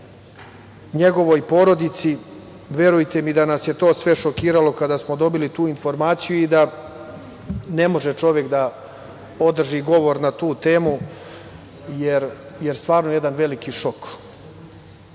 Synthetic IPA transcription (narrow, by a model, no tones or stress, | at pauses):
ɲe̞ɡo̞ʋo̞jpo̞ɾo̞d̪it̪si | ʋe̞ɾujt̪e̞mid̪anasjet̪o̞ːsʋe̞ʃokiːɾalo̞kad̪aːsmo̞d̪o̞bilit̪uːinfo̞ɾmaːt̪sijuid̪a | ne̞mo̞ʒet͡ʃo̞ʋjekd̪a | o̞d̪r̩ʒiɡo̞ʋoɾnat̪uːt̪eːmu | jeɾjeɾst̪ʋaːɾnoje̞d̪anʋe̞likiʃo̞k